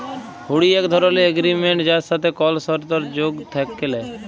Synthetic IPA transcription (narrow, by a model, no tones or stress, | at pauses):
huɽiekd̪ʱɔɾɔlieɡɾimeɳʈd͡ʒasat̪ʰekɔlsɔɾt̪ɔɾd͡ʒoɡt̪ʰɛkːelɛ